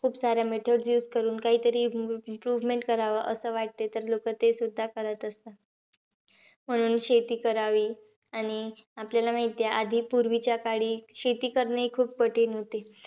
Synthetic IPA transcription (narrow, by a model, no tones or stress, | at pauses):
kʰuːpsaɾjameʈʰəɖsjuːskəɾuːnkaɦiːt̪əɾiːimpɾuʋmeɳʈkəɾaʋəʔəsəːʋaʈ̚t̪et̪əɾlokət̪esud̪ʱːakəɾət̪əst̪a | m̤əɽ̃uːnɕet̪iːkəɾaʋiː | aɽ̃iapljalamaɦit̪jaʔad̪ʱiːpuɾʋit͡ɕjakaɽiːɕet̪iːkəɾneikʰuːp̚pəʈʰeːnɦot̪e